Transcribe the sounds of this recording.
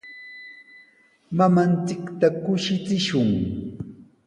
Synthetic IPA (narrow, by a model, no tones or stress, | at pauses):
mamant͡sɪkt̪akʊʃɪt͡sɪʃʊŋ